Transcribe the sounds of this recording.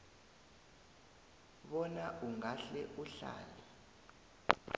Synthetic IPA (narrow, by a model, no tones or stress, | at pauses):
ɓɔnaʔuŋaɬɛʔuɬa̰ːlɛ